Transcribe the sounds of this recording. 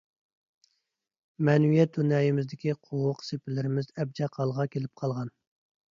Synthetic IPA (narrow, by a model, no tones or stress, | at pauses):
mɛnwijɛt̪̚d̪unɑːjimɪzd̪ɪkʲiqʰowʊqsepɪlɪɾɪmɪzɛb̚d͡ʒɑqʰɑlˠʁɑkʲelɪp̚qʰɑlˠʁɑn